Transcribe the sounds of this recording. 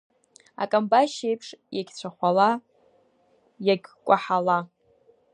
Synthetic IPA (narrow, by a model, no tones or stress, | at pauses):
a̰kʼambaʃejpʰʂjaɡʲt͡ɕʷʰaχʷala | jaɡʲkʷʼaħala